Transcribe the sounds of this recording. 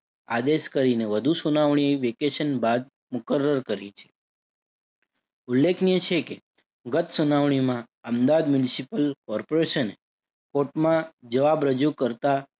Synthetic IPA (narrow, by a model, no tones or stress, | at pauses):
a̰d̪eʃkəɾineʋəd̪ʱusunaʋɳ̃ieʋekeʃənbad̪̚ | mʊkəɾːəɾkəɾit͡ʃʰe̥ | ʊlːekʰnijet͡ʃʰeke | ɡət̪sunaʋɳ̃imã | əmd̪ad̪mjʊnisipəlkɔɾpoɾeʃəne | koʈmãd͡ʒəʋabɾəd͡ʒukəɾt̪a